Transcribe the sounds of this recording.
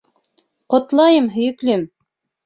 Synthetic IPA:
qŏt̪lˠɑjɤmɦɵ̆jɵ̆klɵm

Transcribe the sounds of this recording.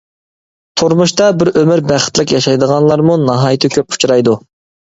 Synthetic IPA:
t̪ʰuɾmuʃt̪ɑbɪɾømɪɾbæχɪ̥t̪lɪkʲjɑʃɑjd̪əʁɑnlˠɑɾmunɑɦɑjt̪ʰɪkʲʰøp̚u̥t͡ʃʰɾɑjd̪u

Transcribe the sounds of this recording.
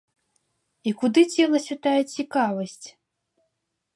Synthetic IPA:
ikud̪ɨt͡sʲɛlˠɐsʲut̪ajɛt͡sʲikavɐsʲt͡sʲ

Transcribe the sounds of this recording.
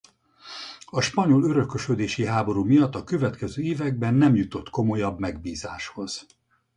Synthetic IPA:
ɒʃpɒɲo̞lø̞ɾø̞køʃød̪eːʃiɦaːbo̞ɾuːmijɒt̪ːɒkø̞vɛt̪kɛzøːeːvɛɡ̚bɛnːɛmjut̪o̞t̪ko̞mo̞jɒbmɛɡbiːzaːʃho̞z̥

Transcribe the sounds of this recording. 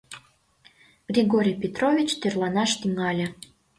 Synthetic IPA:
ɡ̥rʲiɣoɾʲijpʲet̪rovʲit͡ɕt̪erlɑnɑʃt̪yŋɑlʲĕ

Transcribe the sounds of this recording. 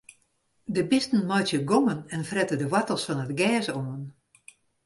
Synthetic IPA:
dəbɪstn̩mɔjtjəɡomənɛnfrɛtədəʋatəlˠsfɔnətɡɛːsoən

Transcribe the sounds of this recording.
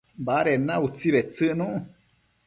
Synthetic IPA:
baɾenãut͡siβet͡sɨʔnũʔ

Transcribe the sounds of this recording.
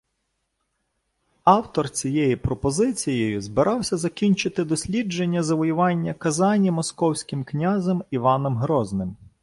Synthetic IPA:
ɑwt̪ɔrt͡sʲijɛjipɾɔpɔzɪt͡sʲijɔjʊzbɪɾʔɑwsʲɐzɐkʲinʲt͡ʃɪt̪ɪd̪ɔsʲlʲid͡ʒenʲːɐzɐʋɔjʊʋɑnʲːɐkɐzɑnʲimɔskɔwsʲkʲɪmknʲazɛmiʋɑnɔmɦɾɔznɪm

